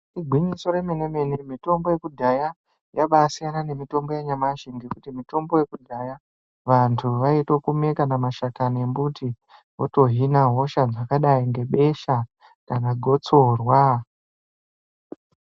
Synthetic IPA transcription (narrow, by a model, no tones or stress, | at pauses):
iɡʱwiɲiso̞ɾemene̞me̞nemito̞mbo̞je̞kudʱaja | jaɓasijanane̞mito̞mbo̞jaɲamaʃiŋɡe̞kutimito̞mbo̞je̞kudʱaja | ʋantʰuʋaito̞kume̞kanamaʃakanembuti | woto̞ɦinaɦo̞ʃad͡zakaɗaiŋɡe̞ɓe̞ʃa | kanaɡʱo̞t͡so̞rwa